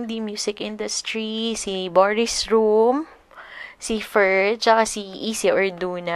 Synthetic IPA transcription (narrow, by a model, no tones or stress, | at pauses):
d̪imjuːsɪkʔɪnd̪ʊst̪ɹisibɔɹɪsɹum | sifɛɹ̚t͡ʃɐkasiʔiːsiʔɔɹd̪uːna